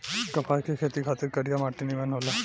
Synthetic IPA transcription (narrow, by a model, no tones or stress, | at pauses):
kəpʰajkʰekʰet̪iːkʰat̪əɾkəɾjamaʈːinimanɦola